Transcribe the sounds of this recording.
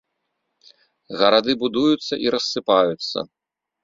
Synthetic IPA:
ɣɐɾad̪ɨbud̪ujut̪sːɐʔiɾɐsːɨpajut̪sːɐ̰

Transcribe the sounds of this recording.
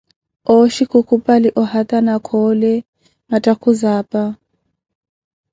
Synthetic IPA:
ɔʃikukʰupʼaliʔɔhat̪ʼanakʰɔlɛ | matʼakʰuzaːpʼa

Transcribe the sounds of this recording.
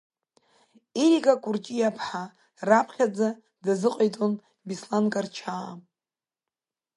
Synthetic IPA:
iɾiɡakʼurt͡ʃʼijapʰħa | rapʰχʲad͡za | dazɨqʼajtʼon | bislankʼart͡ʃʰa

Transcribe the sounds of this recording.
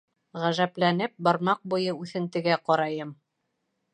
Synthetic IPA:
ʁæʒæplænɘp̚bɑɾmɑq̚bujɤʉθɘ̆nt̪ɘ̆ɡæqɒɾɑjɤm

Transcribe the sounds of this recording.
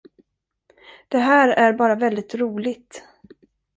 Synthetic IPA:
d̪̥ɛɦæːɾæɾbɑːɾavɛld̪ɪt̪ɾuːlɪɡt̪

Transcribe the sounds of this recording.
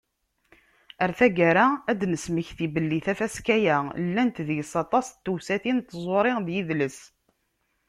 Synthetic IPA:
æɾθæɡaɾaæd̪nəsməçθibəlːiθæfæskæjælːænt̪ðəʝsɑt̪ˤɑst̪ːuwsæθint̪ːəzˤoɾˤɪʁðjiðləs

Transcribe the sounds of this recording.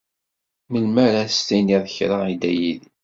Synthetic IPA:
məlmæɾæst̪iniðˤçɾɑid̪æjið

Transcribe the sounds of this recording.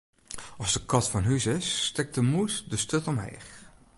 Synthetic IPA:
ɔzdəkɔtfɔnɦysɪsːtɪk̚təmusdəstøtɔmɦɛ̰ːx

